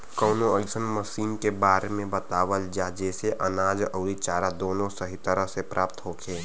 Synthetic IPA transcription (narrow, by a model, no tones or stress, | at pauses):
kəːnoəlsənməsiːnkebaːɾemẽbət̪aːʋəld͡ʒad͡ʒɛːseʔənaːd͡ʒɔːɾit͡ʃaːɾad̪oːnõsəɦit̪əɾəɦsepɾʔaːp̚t̪ɦoːkʰeː